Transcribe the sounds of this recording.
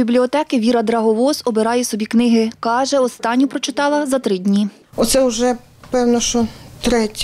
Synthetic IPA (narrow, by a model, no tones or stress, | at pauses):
iblʲiɔt̪ɛkɪʋʲiɾɐd̪ɾɐɦɔʋɔsɔbeɾɑjɛsɔbʲiknɪɦɪkɑʒɛɔst̪ɑnʲːʊpɾɔt͡ʃɪt̪ɑlˠɐzɐt̪ɾɪdʲnʲi | ɔt̪sɛʊʒɛ | pɛwnɔʃt͡ʃɔt̪ɾɛtʲ